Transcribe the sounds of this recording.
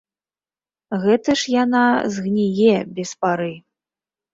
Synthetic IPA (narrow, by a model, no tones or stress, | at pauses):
ɣɛt̪ɐʂjanazɣnʲijɛbʲɛspaɾɨ